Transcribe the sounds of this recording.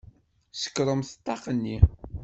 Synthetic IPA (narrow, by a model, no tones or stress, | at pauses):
sə̥kːɾˤəmθət̪ːɑqənːi